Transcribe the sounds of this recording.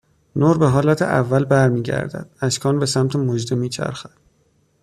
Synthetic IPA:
noːɾbe̞ɦɒːlæt̪ʰḛʔævːælbæɾmiːɟæ̰ɾd̪æ̰d̪̥æʃkʰɒːnbe̞sæmt̪ʰemod͡ʒd̪emiːt͡ʃʰæ̰ɾxæd̪̥

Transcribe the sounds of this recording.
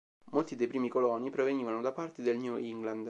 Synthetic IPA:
molt̪id̪ejpɾiːmikolɔnːipɾoveɲiːvanod̪apart̪ed̪elɲjuiŋɡland̪

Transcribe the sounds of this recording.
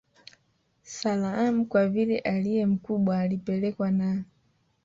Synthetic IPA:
salaam̩kwavilɛʔalijɛm̩kuɓwaːlipɛlɛkwana

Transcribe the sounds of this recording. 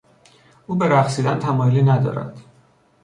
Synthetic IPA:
ʔuːbe̞ɾæχsiːd̪ænt̪ʰæmɒːjoliːnæd̪ɒ̰ːɾæ̰d̪̥

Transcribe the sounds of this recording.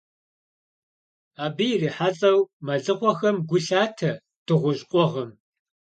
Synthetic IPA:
aːbɨjɪriːħat͡sʼɐwmɐɮɨqʷɔxɐmɡʷʊɬaːtʰɐ | tʰɨʁʷʊɕʼqʷʼɔʁɐm

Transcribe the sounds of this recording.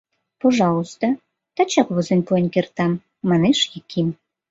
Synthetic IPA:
poʒɑlˠust̪o | t̪ɑt͡ɕɑkβozənʲpoenʲkert̪ɑmː | ɑneʃjikʰim

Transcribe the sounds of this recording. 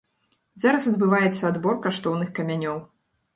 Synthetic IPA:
zaɾɐsɐd̪bɨvajɛt̪sːɐːd̪bɔrkaʂt̪ɔwnɨxkɐmʲanʲɔw

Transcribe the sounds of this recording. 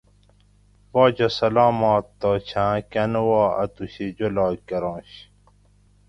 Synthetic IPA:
baːd͡ʑɐsɐlaːmaːt̪ːoːt͡ɕʰãːkɐnwaːɐ̰t̪uɕid͡ʑolaːkɐɾɑ̃ːɕ

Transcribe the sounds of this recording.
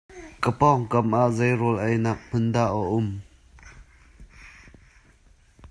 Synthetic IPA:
kəpɔŋkɐmʔaʔzejɾɔlʔɛjnak̚m̥ʊndaːʔəʔʊm

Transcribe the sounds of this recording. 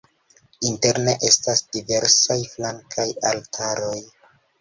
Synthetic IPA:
inte̞ɾne̞ʔe̞stasd̥ive̞ɾsajflaŋkʰajaltʰaɾo̞j

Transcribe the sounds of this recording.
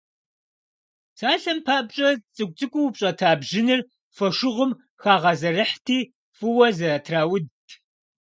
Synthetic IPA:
sʰaːɬɐmpʰaːʔbɕʼɐt͡sʼɨkʷʼt͡sʼɨkʷʼʊwpɕʼɐtʰaːbʒɪnɨr | fɐʃʊʁʷʊm | xaːʁɐzɐrɨħtʰiː | fʼɨwɐzɐrɐtʰraːwʊdtʰ

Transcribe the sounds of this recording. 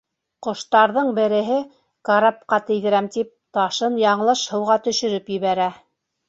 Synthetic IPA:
qŏʃt̪ɑɾðɤɴbɘ̆ɾɘ̆ɦɘ | kaɾap̚qɑt̪ɘ̆jðɘ̆ɾæmt̪ip̚t̪ɑʃɤnjɑɴlˠɤʃhɤ̆wʁɑt̪ɵ̆ʃɵ̆ɾɵpjɘ̆βæɾæ

